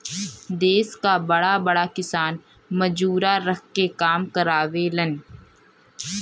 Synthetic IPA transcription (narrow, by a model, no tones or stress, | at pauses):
d̪eːskabɐɽabɐɽakɪsaːn | məd͡ʒuːɾaɾək̚ʰkekaːmkəɾaːʋelən